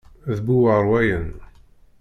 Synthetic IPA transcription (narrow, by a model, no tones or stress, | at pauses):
ðbuwəɾˤwæjən